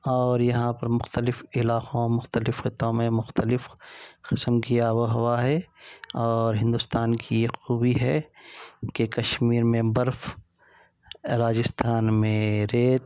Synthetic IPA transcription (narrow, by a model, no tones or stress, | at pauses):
ɔːɾjɐɦãpɐɾmʊxt̪əlɪfɪlaːqõmʊxt̪əlɪfxɪt̪õmẽmʊxt̪əlɪfxɪsəmkiawɦʊwaɦɛɔːɾɦɪ̃nd̪ʊst̪aːnkijexuːwiɦɛ | kekɐʃmiːɾmẽbɐɾf | ɾaːd͡ʒɪst̪ʰaːnmẽɾeːt̪